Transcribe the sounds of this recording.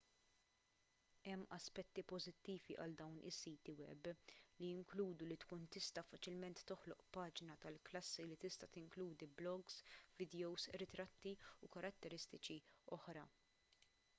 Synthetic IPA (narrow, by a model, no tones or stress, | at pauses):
ɛmːɐspɛt̪ːipɔzɪt̪ːiːviʔɐ̰ld̪ɐwnʔɪ̰sːiːt̪iwɛ̰blijɪŋkluːd̪ulit̪kuːnt̪ɪst̪ɐfɐt͡ʃɪlmɛnt̪ːɔħlɔʔpɐːd͡ʒnɐt̪ɐlklɐsːilit̪ɪst̪ɐt̪ɪŋkluːd̪iblɔɡsvɪd̪jɔwzɾɪt̪ɾɐt̪ːiukɐɾɐt̪ːɛɾɪst̪ɪt͡ʃiɔħɾɐ̰